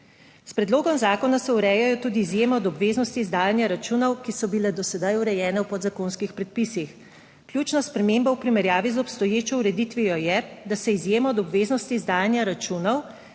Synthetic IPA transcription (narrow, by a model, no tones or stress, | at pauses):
spɾɛd̪loːɡɔmzaːkɔnasɛuɾɛːjajɔt̪uːd̪iːzjeːmɔɔd̪ɔbʋeːznɔst̪iːzd̪aːjanjaɾat͡ʃunɔwkisɔbilɛd̪ɔsɛd̪ajuɾɛjɛːnɛwpɔd̪zakoːnskixpɾɛt̪̚pisix | klʲjuːt͡ʃnaspɾɛmeːmbawpɾimɛɾjaːʋizɔpst̪ɔjeːt͡ʃɔuɾɛd̪it̪ʋijɔjɛd̪asɛizjeːmaːd̪ɔbʋeːznɔst̪iːzd̪aːjanjaɾat͡ʃuːnɔw